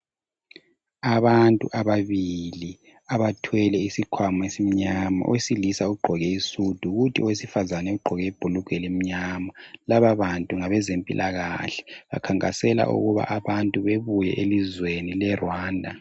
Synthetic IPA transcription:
aβantʼṵʔaβaβili | aβatʰwɛlɛisikʰwamaesim̩ɲama̰ʔwesilisauɡ͡ǃʱɔɣɛisud̥ʱuɣutʰiʔɔwesifazanɛuɡ͡ǃʱɔɣɛib̥ʱuluɡ̥ʱɛlem̩ɲamalaβaβantʼuŋaβɛzempʼḭlʔaɣa̰ɬɛ̥βa̰kʰaŋkʼasɛla̰ʔṵɣuβa̰ʔaβantʼuβeβujɛʔelizwenilɛrwaːndʱa

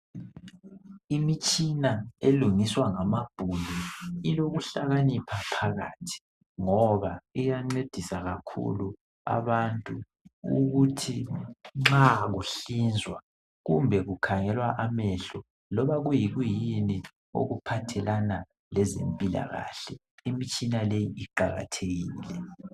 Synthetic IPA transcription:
imit͡ʃʼinaeluŋiswaŋamab̥ʱuliiloɣuɬaɣanipʰapʰaɣa̰ːtʰi̥ | ŋɔβaijaŋ͡ǀed̥ʱisaɣakʰṵlu | a̰βantʼu | uɣutʰiŋ͡ǁaɣuɬind͡zʱwa | ɣumbʱɛɣukʰaŋɛlwaʔamɛɬɔ | lɔβaɣujiɣwjini | o̰ɣupʰatʰɛlana | lɛzḛmpʼila̰ɣa̰ːɬɛ | imit͡ʃʼinalejiʔiǃaɣa̰tʰeɣiːlɛ

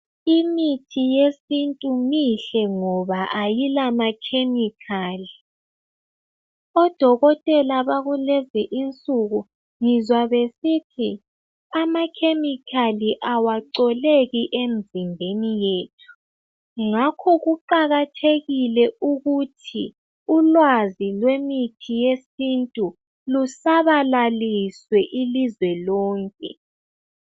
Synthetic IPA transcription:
imitʰijesintʼumiɬɛŋɔβaʔajilamakʰemikʰaːli | ɔd̥ʱɔɣɔtʼɛlaβaɣulɛziʔint͡sʼuɣu | ŋizwaβesitʰi | amakʰemikʰaliʔawaǀɔleɣiʔem̩zimbʱenijeːtʰu̥ | ŋakʰɔɣuǃaɣatʰeɣilɛʔuɣutʰi | ulwazilwemitʰijesintʼu | lusaβalaliswɛʔilizwɛlɔːŋkʼɛ̰

